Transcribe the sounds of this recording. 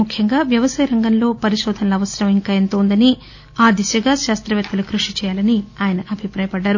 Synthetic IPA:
mukʰjɐŋɡaːʋjɐʋɐsɐjɐɾɐŋɡɐnlo̞ːpɐɾiʃɔːd̪ʱɐnɐlɐːʋɐsɐɾɐmɐmiŋkaːent̪oːnd̪ɐni | aːd̪isjɐɡaːʃaːst̪ɾɐʋɛt̪ːɐlukɾuʂit͡ʃɛːjaːlɐniaːjɐnɐʔɐbʱipɾaːjɐpɐɖːaːɾu

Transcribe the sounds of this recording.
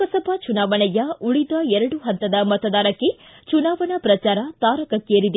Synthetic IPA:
ɐsɐbʱɐt͡ʃunaːʋɐnɛjɐuɭid̪ɐɛɾɐɽuɦɐnt̪ɐd̪ɐmɐt̪ɐd̪aːɾɐkːe̞t͡ʃunaːʋɐnɐpɾɐt͡ʃaːɾɐt̪aːɾɐkɐkːeːɾid̪

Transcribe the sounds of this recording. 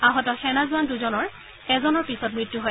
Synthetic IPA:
aɦɔtɔxɛnazʊanduzɔnɔɹ | ɛzɔnɔɹpisɔt̚mɹitːuɦoj

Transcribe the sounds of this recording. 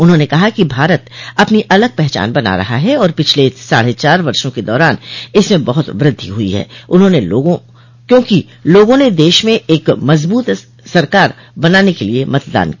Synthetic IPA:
ʊnɦõːnekɐɦakibʱaːɾət̪ɐpniʔɐləɡ̚pɛɦt͡ʃa̰ːnbɐna̰ɾɐ̰ɦa̰ɦɛɔːɾpɪt͡ʃʰlesa̰ːɽet͡ʃaːɾʋɐɾʃõked̪ɔːɾaːnɪsmẽbɐɦʊt̪ʋɾɪd̪ʱːḭɦʊḭɦɛ̰ːʊnɦõneoːɡõ | kjõːki | loːɡõned̪eːʃmẽʔeːkmɐzbuːt̪ | sɐɾkaːɾ | bɐnaːnekeliemɐt̪d̪a̰ːn

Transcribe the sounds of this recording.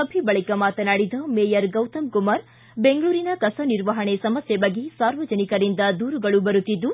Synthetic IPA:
ɐbʱibɐɭikɐmaːt̪ɐnaːɽid̪ɐmeːjɐɾɡɐwt̪ɐmkumaːɾ | beŋɡɐɭuːɾinɐkɐsɐniɾʋɐɦɐɳesɐmɐsjebɐɡːesaːɾʋɐd͡ʒɐnikɐɾind̪ɐd̪uːɾuɡɐɭubɐɾut̪ːid̪ːu

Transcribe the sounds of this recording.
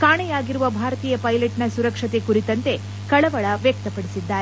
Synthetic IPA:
kaːɳɛjaːɡiɾuʋɐbʱaːɾɐt̪iːjɐpɐjleʈnɐsuɾɐkʂɐt̪e̞kuɾit̪ɐnt̪e̞ | kɐɭɐʋɐɭɐʋjɐk̚t̪ɐpɐɽisid̪ːaːɾe

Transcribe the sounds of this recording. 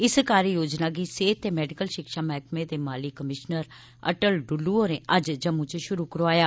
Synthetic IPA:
ɪskaːɾijoːd͡ʒnaːɡiːseːt̪ːeːmɛːɖɪkəlʃɪkʃaːmɛːkʰmẽːd̪eːmaːlikəmɪʃnəɾ | ə̰ʈəlɖʊlːuːoːɾẽːʔəd͡ʒd͡ʒəmʊ̃t͡ʃʃʊɾuːkəɾʋaːjaː

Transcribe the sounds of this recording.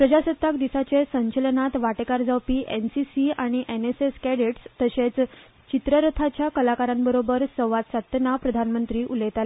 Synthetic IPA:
pɾəd͡ʑasət̪ːakd̪isat͡ɕesəɲt͡ɕəlnat̪ʋaʈekaɾd͡zawpiːʔensisiaɽ̃iʔeneseskɛɽeʈst̪əɕet͡s | t͡ɕit̪ɾəɾət̪ʰat͡ɕjakəlakaɾãmbəɾobəɾsəwʋat̪̚t͡sat̪napɾəd̪ʱanmənt̪ɾiːʔulejt̪ale

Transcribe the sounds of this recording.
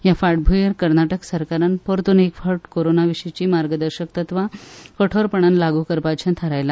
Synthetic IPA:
jafaʈ̚bʱujəɾkəɾnaʈəksəɾkaɾanpoɾt̪unekfəɾʈkoɾonaʋiɕet͡ɕiːmaɾɡəd̪əɾɕəkt̪ət̪ʋakəʈʰoɾpəɳ̃anlaɡuːkəɾpat͡ɕʰãt̪ʰəɾajla

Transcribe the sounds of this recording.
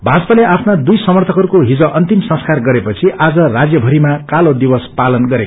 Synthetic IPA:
bʱad͡zpʌleʔapʰnad̪ujsʌmʌrt̪ʰʌkʌɾukoɦid͡zʌʔʌnt̪imsʌ̃nskarɡʌɾepʌt͡sʰiʔad͡zʌrad͡zjʌbʱʌɾimakalod̪ibʌspalʌnɡʌɾeko

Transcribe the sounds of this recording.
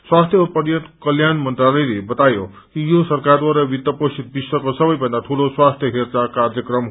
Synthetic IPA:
swast̪ʰjʌopʌɾjʌt̪kʌljanmʌnt̪ralilebʌt̪ajo | kijosʌrkard̪waɾabit̪ːʌpost͡ʃʰit̪̚biswʌkosʌbʌjbʌnd̪at̪ʰuloswast̪ʰjʌɦert͡sakard͡zjʌkrʌm

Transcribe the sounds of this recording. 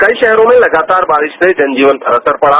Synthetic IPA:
kɐiʃɛɦɾõmẽlɐɡaːt̪aːɾbaːɾɪʃd̪ed͡ʒɐnd͡ʒiːʋənpəɾɐsəɾpɐɽa

